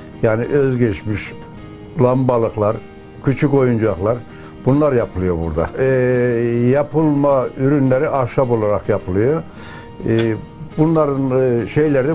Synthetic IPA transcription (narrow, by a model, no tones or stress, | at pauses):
jaːniʔøzɟɛt͡ʃmiʃ | lˠambalˠɯklˠaɾ | cʰyt͡ʃʰyko̞jund͡ʒuaklˠaɾ | b̥unlˠaɾjapʰɯlˠɯjo̞bṵɾd̪a̰ | japʰɯlˠmayɾynlʲeɾiʔaʃabo̞lˠaɾakjapʰɯlˠɯjo | bunlˠaɾɯnʃejlʲeɾi